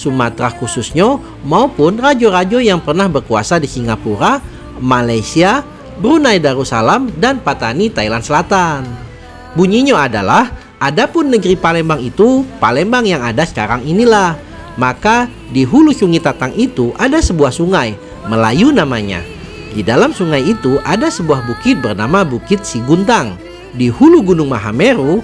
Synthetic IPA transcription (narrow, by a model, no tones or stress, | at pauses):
sumat̪ɾahkusʊsɲa | maupʊnrad͡ʒoɾad͡ʒojaŋpərnahbərkua̰sadisiŋapuɾa | malajsia | bəɾunajdaɾusalamdanpat̪anit̪ailansəlat̪an | buɲiɲoada̰lah | ʔadapʊnːəɡɾipalɛmbaŋit̪upalɛmbaŋjaŋadasə̥kaɾaŋinilah | maka | diɦulusuŋit̪at̪aŋʔit̪uʔadasəbuahsuŋaj | məla̰junamaɲa̰ | didalamsuŋajit̪uʔadasəbuahbukɪt̪̚bərnamabukɪt̪̚siɡunt̪aŋ | dihuluɡunʊŋmaɦa̰meɾu